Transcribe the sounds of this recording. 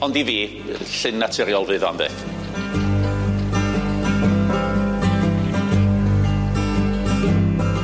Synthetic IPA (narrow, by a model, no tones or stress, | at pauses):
ɔndiviː | ɬɪnːatʰɪɾjɔlˠvɨða̰nðɛ̰ːθ